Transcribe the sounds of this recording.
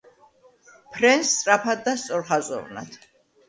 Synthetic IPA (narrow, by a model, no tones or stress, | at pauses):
pʰɾɛnst̪ːsʼɾapʰad̪̚d̪ast̪sʼɔɾχazʼɔ̰vna̰t̪ʰ